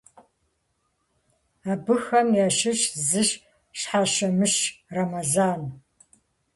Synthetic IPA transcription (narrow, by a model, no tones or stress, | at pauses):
aːbɨxɐmjaːʃɪɕzɨɕ | ɕħaʃɐmɨɕrɐmɐzaːn